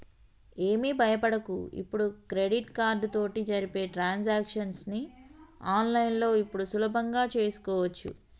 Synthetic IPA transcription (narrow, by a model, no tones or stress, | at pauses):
e̞ːmiːbʱɐjɐpɐɽɐkṵḭpːuɽukɾe̞ɽiʈkaːɾɖt̪o̞ːʈid͡ʒɐɾipe̞ːʈɾaːnsaːkʂɐnsniaːnlɐjinlo̞ːipːuɽusulɐbʱɐŋɡaːt͡ʃe̞ːsu̥kɔːʋɐt͡ʃːṵ